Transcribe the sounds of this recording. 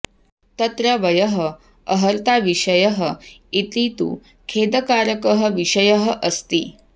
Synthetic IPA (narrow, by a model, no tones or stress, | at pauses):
t̪ət̪ɾəʋəjəɦə | əɦəɾt̪aʋiʂəjəɦəit̪ɾit̪ṵː | kʰed̪əkaɾəkəɦə̆ʋiʂəjəɦə̆ʔəst̪ḭː